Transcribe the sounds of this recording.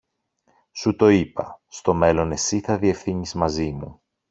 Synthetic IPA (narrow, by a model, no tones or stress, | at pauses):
sut̪o̞ipɐ̰st̪o̞me̞lo̞ne̞siθɐðie̞fθiɲizmɐzimu